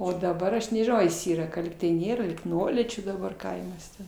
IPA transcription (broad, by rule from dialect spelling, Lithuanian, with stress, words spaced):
ˈoː dɐˈbɐr ˈɐʃ nʲɛʒʲɪˈnɐʊ ɐr jɪs ˈiːrɐ kɐ ˈlʲiːktɐɪ ˈnʲeːrɐ lʲiːk ˈnuɔlʲiːt͡ʃʲuː dɐˈbɐr ˈkɐɪmɐs tʲɛn